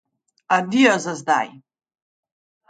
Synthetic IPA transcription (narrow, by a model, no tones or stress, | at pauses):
adiazazd̪a̰j